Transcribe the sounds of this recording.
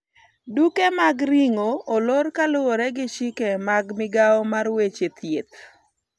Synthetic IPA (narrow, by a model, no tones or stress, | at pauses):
dukemaɡɾiŋoːloɾkalʊwoɾɛɡɪʃɪkemaɡmɪɡaɔmarwet͡ʃet̪ʰjet̪̚